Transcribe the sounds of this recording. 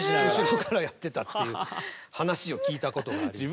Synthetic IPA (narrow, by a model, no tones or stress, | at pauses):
iɯ̃ɕiɾokaɾajat̪ːe̞t̪at̪ːejɯ̟hanaɕio̞kʲiːt̪ako̞t̪o̞ɡaɾii